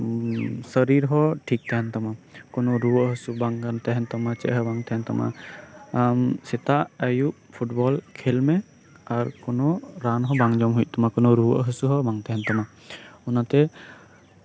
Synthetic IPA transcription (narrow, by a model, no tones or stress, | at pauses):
səɾiɾɦɔʈʰik̚t̪ɛɦɛnt̪amakɔnɔɾuwəʔɦəsubaŋɡant̪ɛɦɛnt̪amat͡ʃɛ̰ʔɦɔbaŋt̪ɛɦɛnt̪ama̰ | msɛt̪aʔəjuʔ | pʰuʈbɔlkʰelmɛ | aɾkɔnɔɾanɦɔbaŋd͡ʒɔmɦujʔ̚ˀt̪amakɔnɔɾuwʔɦəsuɦɔbaŋt̪ɛɦɛnt̪ama | unat̪ɛ